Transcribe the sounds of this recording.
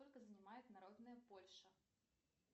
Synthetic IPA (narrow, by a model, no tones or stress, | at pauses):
ɔlʲkɐzɐnʲɪmajʊt̪naɾod̪nɨjəpolʲʂɐ